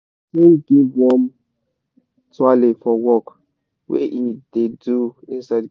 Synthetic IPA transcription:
kenɡivwɔm | tʰualifɔwɔk | wɛ̰ʔideduĩnsaɪd

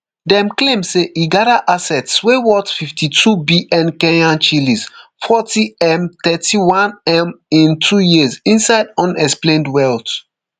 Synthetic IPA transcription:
dɛ̃mklẽmseʔiɡadaʔasɛtswewɔtfiftʰitʰubiʔɛ̃nkɛ̃nãnt͡ʃilisfɔtiɛ̃mt̪ɛtiwãnɛ̃mĩntʰujizĩnsaɪdɔ̃nɛksplẽndwɛlt

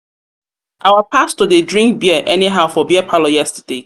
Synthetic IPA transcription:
ʔaʊwəpʰastɔdedɹĩŋk̚biəʔɛniɦaʊfɔbiəpʰalɔjɛstəde

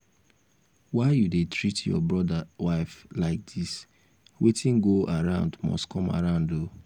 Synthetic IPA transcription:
waɪjudetɹitjɔ̰bɹɔdawaɪflaɪk̚d̥is | wetʰĩnɡoʔaɹãʊ̃ndmɔ̰stkʰɔma̰ɹãʊ̃ndo

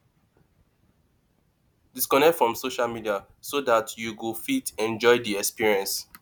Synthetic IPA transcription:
diskɔnɛk̚tfɹɔ̃msoʃalmidia | sodatʰjuɡufitɛ̃nd͡ʒɔɪdiɛkspiɹiɛ̃ns

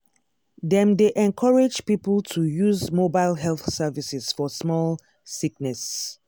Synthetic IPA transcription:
ðɛ̃mdeʔɛ̃nkʰɔɹed͡ʒpipəl̩ˠtʰujuzmobaɪlɦɛlθsɛvisɛz̥fɔsmɔl | siknɛs

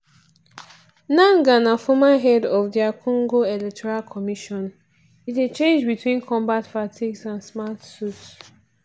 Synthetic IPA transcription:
nãŋɡãnafɔmaɦɛdɔfdiakʰɔ̃ŋɡoelɛk̚tʰɔɹalkʰɔmiʃɔ̃n | it̬et͡ʃẽnd͡ʒbitwĩnkʰɔ̃mbatfatʰiɡsãnsmatsuts

